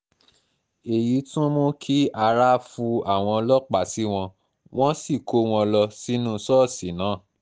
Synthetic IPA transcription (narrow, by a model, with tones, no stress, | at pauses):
e˨ji˨˦tũ˦mo˦kʰi˦a˧ɾa˦˨fu˧a˦˨w̃ɔ̃˧lɔ˦k͡pa˦˨si˦w̃ɔ̃˧ | w̃ɔ̃˦si˦˨ko˨˦w̃ɔ̃˧lɔ˧si˦nũ˦sɔ˦˨si˨˦nãː˨˦˨